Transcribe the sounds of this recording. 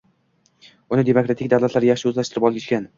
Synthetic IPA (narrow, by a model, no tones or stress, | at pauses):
ʊnɪd̪e̞mokɾat̪ʰɪkʲd̪awlˠat̪laɾjaχʃɪɵzlaʃt̪ʰɪɾɪpɒlˠɡʲɪʃʲkʲan